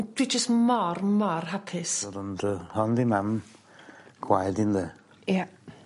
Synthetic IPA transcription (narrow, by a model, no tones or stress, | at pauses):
d̥wid͡ʒəstmɔrmɔrɦapʰɪsdʊndəhɔndimam | ɡ̥wajdɪnðə | ja